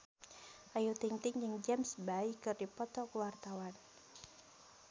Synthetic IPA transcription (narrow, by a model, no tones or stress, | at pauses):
ʔajut̪iŋt̪ɪŋd͡ʒɨŋd͡ʒamsbaikɨrdipɔt̪ɔkəwart̪awan